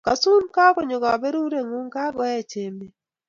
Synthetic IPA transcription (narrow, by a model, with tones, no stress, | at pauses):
ka˨su˦nka˦ko˦ɲo˨ɡa˨be˦ɾu˦ɾe˦ŋu˦ŋka˦ɡɔ˦ɛ˦t͡ʃe˨me˦˨